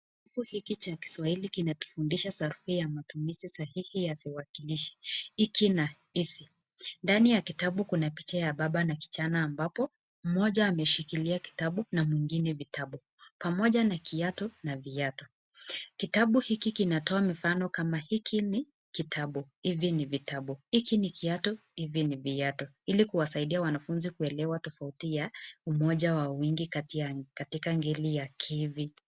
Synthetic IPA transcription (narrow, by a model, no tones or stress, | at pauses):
ikuhikit͡ʃaki̥swahilikinatu̥fundiʃasaɾuhujamatumizisahihijaviwakiliʃi̥ikʰina | ifi | ndanijakitaɓukunapi̥t͡ʃajaɓaɓanaki̥t͡ʃanaːmbapɔ | m̩mɔʄaːmɛʃikiliaki̥taɓunamwiŋɡinɛvitaɓu | pamɔʄanakʰiatɔnaviatɔ | kitaɓuhikikinatɔamifanɔkamahikʰini | kitʰaɓuhivjinivitaɓuhikinikiatuhivinivijatɔ | ilikuwasaiɗiawanafunzikuɛlɛwatɔfautijaumɔʄawawiŋɡikatkatikaŋɡɛlijakʰivi